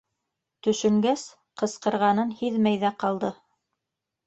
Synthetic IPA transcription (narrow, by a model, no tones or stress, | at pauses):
t̪ɵ̆ʃɵ̆ŋɡæs | qɤ̆sqɤ̆ɾʁɑnɤnhiðmæjðæqɑlˠd̪ɤ